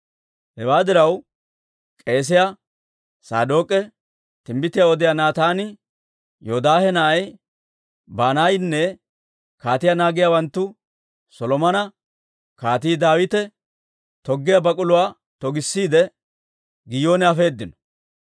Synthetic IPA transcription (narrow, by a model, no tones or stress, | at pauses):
hɛwaːd̪ɪɾɐw | kʼe̞ːs̬ɪja | sa̰ːd̪o̞ːkʼɛ | t̪ɪmbɪt̪ːɪjaɔd̪ɪjanaːt̪aːnɪ | joːd̪aːhɛnɐʔɐj | baːnajnːɛ | kaːt̪ɪjanaːɡɪjawɐnt̪ːʊ | sɔlɔmɐnɐ | kaːt̪̬iːd̪aːwɪt̪ɛ | t̪ɔɡːɪjabɐkʼʊlʊwaː | t̪ɔɡɪsːiːd̪ɛ | ɡɪjo̞ːnɛɐfe̞ːd̪ːɪnɔ̥